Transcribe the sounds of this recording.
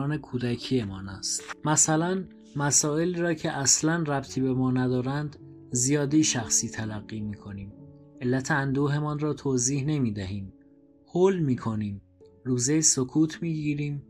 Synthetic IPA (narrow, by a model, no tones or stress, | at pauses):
ne̞kʰuːd̪æcʰiːjemɒːnæst̪mæsælæn | mæsɒːe̞liːɾɒːcʰe̞ʔæslænræb̚t̪ʰiːbe̞mɒːnæd̪ɒːɾænd̪ | zijɒːd̪iːʃæxsiːt̪ʰælæɣːiːmiːkʰoniːme̞lːæt̪ʰeænd̪uːɦe̞mɒnrɒːt̪ʰoːziːhne̞miːd̪æɦiːm | hoːlmiːkʰo̞niːm | ruːzejsokʰuːt̪ʰmiːɟiːɾiːm